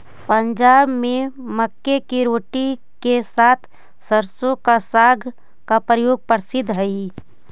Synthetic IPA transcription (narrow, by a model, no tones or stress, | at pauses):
pə̃ɲd͡ʒaːbmẽməkːekiɾoːʈi | kesaːt̪ʰ | səɾsõkasaːɡʱ | kapɾəjoːɡ̚pəɾsɪd̪ʱɦɛi